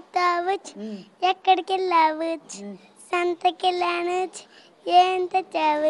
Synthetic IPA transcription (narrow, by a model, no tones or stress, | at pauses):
t̪aːʋɨt͡ʃjɐkːɐɽkilaːʋɨt͡ʃʰ | sɐnt̪ɐkilaːɳɨt͡ʃ | jeːnt̪ɐt͡ʃaːʋɨ